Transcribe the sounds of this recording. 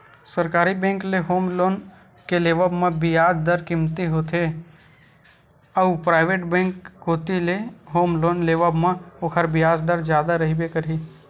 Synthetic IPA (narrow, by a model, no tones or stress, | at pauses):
səɾkaːɾibɛ̃ːŋkleɦoːmloːn | keleːʋəbmãbɪjaːd͡ʒd̪əɾkɪmt̪iɦoːt̪ʰe | əʋpɾaːɪʋeːʈbɛ̃ːŋkːoːt̪ileɦoːmloːnleːʋəbmãokʰəɾbɪjaːd͡ʒd̪əɾd͡ʒjaːd̪aɾɐɦibekəɾiː